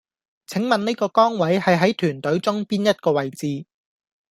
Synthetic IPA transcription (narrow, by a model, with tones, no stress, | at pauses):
t͡sʰɪ˨˥ŋmɐ˨nne˥kɔː˧kɔː˥ŋwɐ˨˥jhɐ˨jɦɐ˨˥jt̪ʰyː˨˩nt̪ɵ˨˥ɥt͡sʊ˥ŋpiː˥njɐ˥t̚kɔː˧wɐ˨jt͡siː˨˧